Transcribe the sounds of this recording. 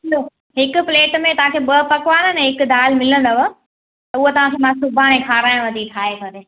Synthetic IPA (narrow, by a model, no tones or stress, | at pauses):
lo | ɦɪkʊ̆pleːʈmẽt̪ɐʋ̤ãːkʰeːɓəːpɐkʋaːnənɐɦɪkʊd̪ʱaːlmɪlə̃nd̪əʋə | t̪ɐʊɦot̪ɐʋ̤ãːkʰemãsʊbʱaːɽ̃ẽkʰaːɾaːj̃ʋɐd̪ʱiʈʰaːekʰɐ̃ɾe